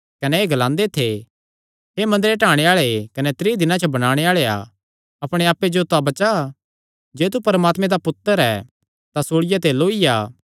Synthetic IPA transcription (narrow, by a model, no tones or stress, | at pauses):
kɐnɛːɡɐlãːnd̪et̪ʰe | ɦemɐ̃nd̪ɾeʈaːɽ̃eaːɭekɐnɛt̪ɾiːd̪ɪnãt͡ʃʰɐbɐɽ̃aːɽ̃eaːɭea̰ | ɐpɽ̃eaːpːed͡ʒot̪ʊabɐt͡ʃa | d͡ʒeːt̪̬upɐɾmaːt̪mẽd̪apʊt̪ːəɾɛ̰ | t̪asoːɽɪjat̪eloːijaː